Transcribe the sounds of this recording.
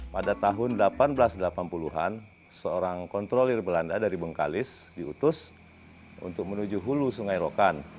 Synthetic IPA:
padat̪aɦʊndəlapanbəlasdəlapanpuluɦa̰n | səoɾaŋkɔnt̪ɾolirbəlandadaɾibəŋka̰lɪsdiut̪ʊs | ṵnt̪ʊk̚mənud͡ʒuɦulusuŋajɾokan

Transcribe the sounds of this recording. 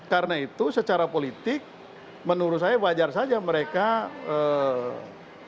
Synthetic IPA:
kaɾənait̪usət͡ʃaɾapolit̪ɪk̚ | mənuɾʊsajabad͡ʒarsad͡ʒaməɾekaə

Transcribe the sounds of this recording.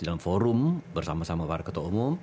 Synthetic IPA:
dalamfoɾʊmbərsamasamabaɾakət̪ɔʔumum

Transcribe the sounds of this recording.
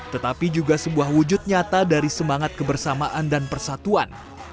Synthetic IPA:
t̪ət̪apid͡ʒuɡasəbuahwud͡ʒʊt̪̚ɲat̪adaɾisəmaŋat̪̚kəbərsamaʔandanpərsat̪uan

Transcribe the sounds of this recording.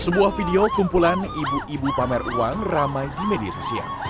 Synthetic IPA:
səbuahfideokumpulanibuʔibupamɛrṵwaŋramajdimedia̰sosia̰l

